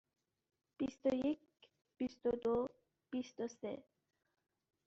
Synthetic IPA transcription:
pist̪oik | pist̪od̪o | pist̪osḛ

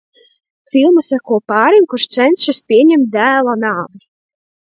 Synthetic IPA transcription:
filˠmusakuɔpɑːɾimkuɾʃt̪sɛnsʃispʲiɛɲʲɛmt̪̚ʲd̪æːlˠanaːvnʲi

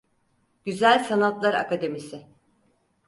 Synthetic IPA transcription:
ɟ̥yzælʲsanat̪lˠaɾa̰kʰad̪e̞misɪ

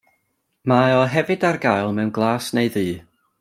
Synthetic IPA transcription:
maɔɦɛvɨdarɡajlˠmɛwnɡlˠaːsneɨðɨː

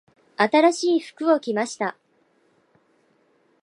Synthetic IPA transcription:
at̪aɾaɕiːɸɯ̥kɯ̟o̞kʲimaɕi̥t̪a

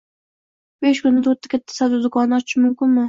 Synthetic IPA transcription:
beʃkʲʊnːɪt̪ʰoɾt̪ʰːḁkʰʲat̪ʰːḁsad̪ʊd̪ʊkʰɒnːɒt͡ʃɪʃɪmʊmkʲɪnmɪ

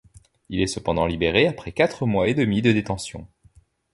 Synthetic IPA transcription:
ilɛsəpɑ̃d̪ɑ̃libeʁeapχɛkat̪χəmwaed̪əmid̪əd̪et̪ɑ̃sjɔ̰̃

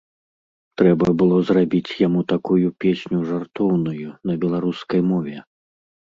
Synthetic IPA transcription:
t̪ɾɛbɐbɨlˠɔzrabʲit͡sʲjamut̪akujupʲesʲnʲuʐart̪ɔwnujunɐbʲɛlˠaɾuskɐjmɔvʲɛ

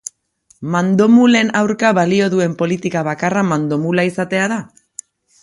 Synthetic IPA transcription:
mand̪o̞mule̞nawɾkaβalio̞ðue̞mpo̞lit̪ikaβ̞akaramand̪o̞mulaisat̪e̞aða

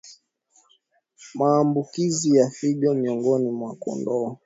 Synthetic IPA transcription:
maːmbukizijafiɠɔmiɔŋɡɔnimwakɔ̰ndɔː

